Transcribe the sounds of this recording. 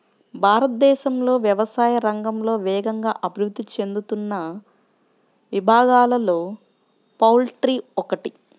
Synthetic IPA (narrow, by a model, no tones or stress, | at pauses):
bʱaːɾɐt̪̚d̪ɛːʃɐmlo̞ːʋjɐʋɐsaːjɐɾɐŋɡɐmlo̞ːʋɛːɡɐŋɡaːʔɐbʱiɾud̪ːit͡ʃe̞nd̪ut̪unːɐ | ʋibʱaːɡaːlɐlo̞ː | pɐwlʈɾiːɔkɐʈi